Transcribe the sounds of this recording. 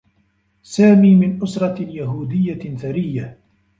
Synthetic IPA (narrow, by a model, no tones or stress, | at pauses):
saːmiːmɪnʔʊsɾˤɑjaɦuːd̪ɪjːaθaɾɪjːa